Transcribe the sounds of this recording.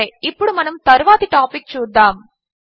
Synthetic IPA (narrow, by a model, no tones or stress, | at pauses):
ɐɪpːɔɽɯmɐnɯmt̪ɐɾɯʋaːðiʈaːpɪk̚t͡ʃuːd̪aːm